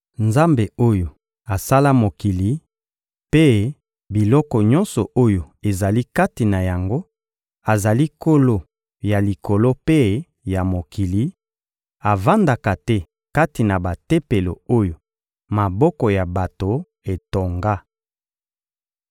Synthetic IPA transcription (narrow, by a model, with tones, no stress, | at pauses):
nza˦mbe˨o˦jo˨ | a˨sa˦la˦mo˨ki˨li˨˦ | pe˦ | bi˨lɔ˦kɔ˨ɲɔ̃˦nsɔ˨ʔo˦jo˨ | e˨za˨li˦ka˦ti˨na˨ja˨ŋɡo˦ | a˨za˨li˦ko˦lo˦ | ja˨li˨ko˨lo˦pe˦ | ja˨mo˨ki˨li˦ | a˨va˦nda˨ka˨tɛ˦ | ka˦ti˨na˨ba˨te˦pe˨lo̰˨o˦jo˨ | ma˨bɔ˦kɔ˨ja˨ba˨to˨ | e˨to˨ŋɡa˦